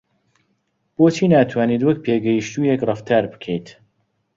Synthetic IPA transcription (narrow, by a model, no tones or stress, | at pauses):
b̥oːt͡ʃʰiːnaːt̪ʰwaːniːt̪wɐk̚pʰeːɡɐjiʃt̪uːjekrɐft̪ʰaːɾbɨ̥kʰejt̪